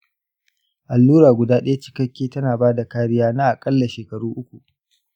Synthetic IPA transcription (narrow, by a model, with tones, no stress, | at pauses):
ʔa˨lːuː˦ɾaː˨ɡʷʊ˨daː˦ɗɐ˦ja˦t͡ʃɪ̥˦kɐ˦kʲːeː˦tɐ˦naː˨baː˦da˨kaː˦ɽɪ˦jaː˦naː˦ʔa˨kʼɐ˦lːa˨ʃeː˨kɐ˨ɾuː˦ʔʊ˦kʷu˨ʔ